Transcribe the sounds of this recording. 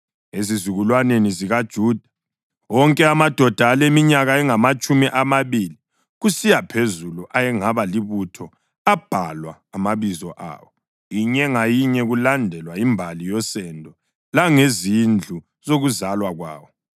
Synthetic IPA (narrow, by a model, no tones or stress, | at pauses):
ezizuɣulwaneniziɣad̥ʒ̥ʱuːd̥ʱḁ | wɔŋkʼɛamad̥ʱɔd̥ʱaːlemiɲaɣaɛŋamat͡ʃʼumiʔamaβiːli | ɣusijapʰezuluʔajɛŋaβaliβutʰɔ | ab̥ʱalwa̰ːmaβizɔʔa̰ːwɔ | iɲɛŋajiɲɛɣulandʱɛlwaimbʱalijɔsɛndʱɔ | laŋezind͡ɮʱu | z̥oɣuzalwaɣwa̰ːwɔ